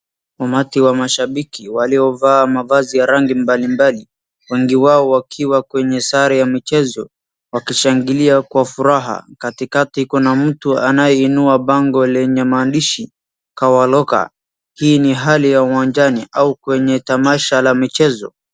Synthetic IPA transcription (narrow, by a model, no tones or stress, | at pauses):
amatiwamaʃaɓikiwaliɔvaːmavazijaɾaŋɡimbalimbali | wɛŋɡiwaɔwakʰiwakwɛɲɛsaɾajamit͡ʃɛzɔ | wakiʃaŋɡiliakwafuɾaɦa̰katikatikunam̩tuanajɛinuaɓaŋɡɔlɛɲɛmaːnɗiʃi | kawalɔka̰ | hiːniɦalijauwaɲd͡ʒaniʔaukwɛɲɛtamaʃalamit͡ʃɛzɔ̰